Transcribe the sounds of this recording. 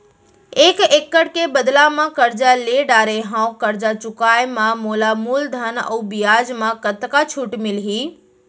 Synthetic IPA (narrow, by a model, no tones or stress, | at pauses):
eːkeːkːəɽkebəd̪lamãkəɾd͡ʒaleɖaːɾeɦãːũkəɾd͡ʒat͡ʃʊkaːjmãmoːlamuːld̪ʱənə̰ubijaːd͡ʒmãkət̪kat͡ʃʰuʈmɪlɦiː